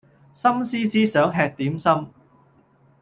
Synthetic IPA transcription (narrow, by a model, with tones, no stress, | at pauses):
sɐ˥msiː˥siː˥sœː˨˥ŋɦɛː˧k̚t̪iː˨˥msɐ˥m